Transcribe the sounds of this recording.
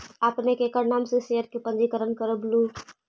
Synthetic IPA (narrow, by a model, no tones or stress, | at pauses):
apnekekəɾnaːmsesejəɾkepə̃nd͡ʒikəɾənkəɾəblu